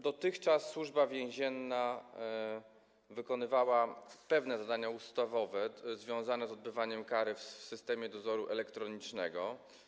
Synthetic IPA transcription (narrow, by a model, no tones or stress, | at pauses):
d̪ɔt̪ɘxt͡ʂasːwuʐbavʲjɛ̃ʑɛnːa | vɘkɔnɘvawapɛvn̪ɛzad̪aɲaust̪avɔvɛzvʲjɔ̃w̃zanɛzɔd̪̚bɘvaɲɛmkaɾɘfsɘst̪ɛmʲjɛd̪ɔzɔɾuʔɛlɛkt̪ɾɔɲit͡ʂnɛɡɔ